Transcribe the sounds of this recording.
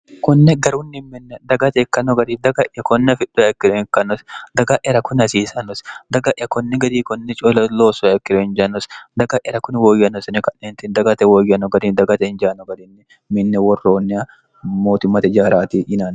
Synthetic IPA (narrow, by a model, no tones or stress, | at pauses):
kɔnːɛɡɐɾuːnːɪmɪnːɛd̪ɐɡɐt̪ɛkːɐnɔɡɐd̪id̪ɐɡɐʔɐkɔnːɛfɪᶑːʊɛkːɪd̪ʊɪkːɐnːɔsd̪ɐɡɐʔɛɾɐkʊnɐsiːsɐnɔsd̪ɐɡɐʔɪjɐkɔnːɛɡɐd̪iːkɔnːɛt͡ʃʼɔlɐloːsʊɛkːɪdɔhɪnd͡ʒanɔsd̪ɐɡɐʔɛɾɐkʊnwoːjːɐnɔsnɪkɐnːeːnt̪ɪnd̪ɐɡɐt̪ɛwoːjːɐnɔɡɐd̪ind̪ɐɡɐt̪ɛɪnd͡ʒaːnɔɡɐd̪ɪnːɪ | mɪnːɛwɔrːo̞ːnːɪɐ | moːt̪ʊmːɐt̪ɛd͡ʒaːɾaːt̪iʔɪnaːn